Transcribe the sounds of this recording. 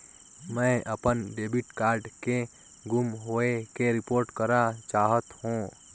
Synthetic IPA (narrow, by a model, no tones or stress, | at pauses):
mɛ̃ʔəpənɖeːbɪʈkaːɾɖke | ɡʱʊmɦoːekeɾɪpoːɾʈkəɾat͡ʃaːɦət̪hũ